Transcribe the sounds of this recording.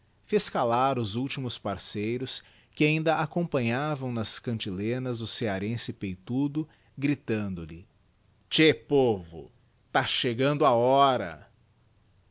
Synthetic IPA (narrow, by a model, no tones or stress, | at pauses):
feskalaɾʊzuwt͡ʃimʊspaɾsejɾʊs | kɪaĩnd̪ɐʔakõpɐ̃ɲavɐ̃w̃nɐskɐ̃nt͡ʃilẽnɐzʊseaɾẽsɪpejt̪ud̪ʊ | ɡɾit̪ɐ̃nd̪ʊlɪ | t͡ʃepovʊ̰ | t̪aʃeɡɐ̃nd̪ʊaɔɾɐ̰